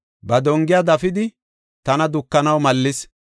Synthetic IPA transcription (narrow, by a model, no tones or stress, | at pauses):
bɐd̪ɔŋɡɪjad̪ɐfɪd̪ɪ | t̪ɐnɐd̪ʊkːɐnɐwmɐlːɪs